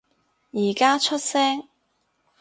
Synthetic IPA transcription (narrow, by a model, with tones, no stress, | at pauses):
jiː˨˩kaː˥t͡ʃʰɵ˥t̚sɛː˥ŋ